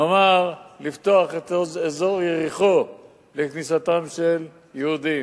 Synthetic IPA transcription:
omaʁlift̪o̞aχet̪ozezo̞ʁjeʁiχo̞ | leknisat̪amʃel | jehud̪i

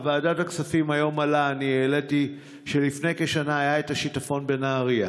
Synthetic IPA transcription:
vaaːdataksafimajo̞malaːnieleti | ʃe̞lifne̞jke̞ʃanaajaetaʃitafo̞nbe̞naːʁia

